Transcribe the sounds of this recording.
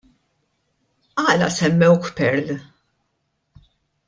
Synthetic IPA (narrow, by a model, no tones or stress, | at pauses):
ɐːlɐ̰sɛmːɛwkpɛɾl